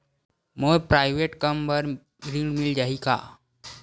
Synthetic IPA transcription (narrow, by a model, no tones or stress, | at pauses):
məpɾajʋeʈkəmbəɾ | ɾiŋɡmild͡ʑaɦika̰